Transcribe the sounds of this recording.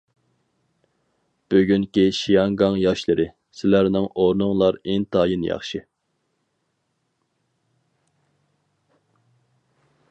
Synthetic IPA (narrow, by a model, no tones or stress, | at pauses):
b̥øɡʲyŋkʲiʃijɑŋɡɑŋjɑʃlˠɨɾɨ | sɪlæɾnɪŋoɾnɨŋlˠɑɾint̪ʰɑːjinjɑ̰χʃi